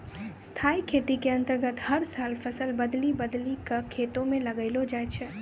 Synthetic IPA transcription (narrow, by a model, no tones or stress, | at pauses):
st̪ʰaːikʰeːt̪ikeɐ̃nt̪əɾɡət̪hɐɾsaːlfʰɐsəlbɐd̪libɐd̪likakʰeːt̪õmẽlɐɡəɪlod͡ʒaːet͡ʃʰɛ